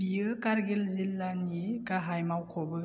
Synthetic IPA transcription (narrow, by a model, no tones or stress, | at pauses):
bijɯkaɾɡelzilːanikaɦajmawkʰobɯ